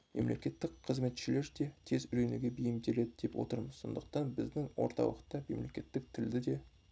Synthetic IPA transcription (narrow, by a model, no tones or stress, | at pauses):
me̞̰mle̞kʲe̞t̪ːɪkqʰəzme̞t̪ʃɪle̞ɾd̪e̞t̪ʰe̞zʏɾe̞nuɡʲe̞bijɪmd̪e̞le̞d̪ɪd̪e̞pwo̞̰t̪əɾməz̥so̞̰nd̪əq̚t̪ɑnbɪzd̪ɪŋwo̰ɾt̪ʰɑ̰wəqt̪ɑme̞̰mle̞kʲe̞t̪ːɪk̚t̪ʰɪld̪ɪd̪e̞